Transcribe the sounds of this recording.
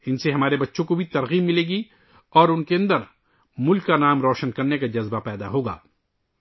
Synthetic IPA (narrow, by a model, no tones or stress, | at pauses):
ɪnseɦɐmaːɾebɐtːʃʰõkobʱit̪ɐɾɣiːbːɪleːɡi | ɔːɾʊnkeɐ̃nd̪əɾ | mʊlkːanaːmɾɔːʃənkɐɾnekad͡ʒɐzbapɛːd̪a̰ɦoːɡa̰ː